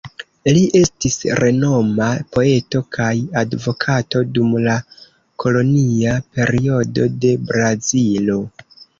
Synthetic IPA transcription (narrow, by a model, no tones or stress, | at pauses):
liʔe̞stisɾʔe̞no̞mapo̞e̞to̞kʰajadvo̞kʰato̞dumla | kʰo̞lo̞niape̞ɾio̞do̞de̞bɾazilo̞